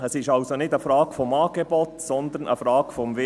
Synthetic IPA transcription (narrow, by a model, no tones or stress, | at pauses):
ɛsɪʃɑʊsonɪtəfɾɑːɡ̥fɔmɑːɡ̥ebɔtsɔnd̪ənʔə̰frɑːɡ̥fɔmvɪ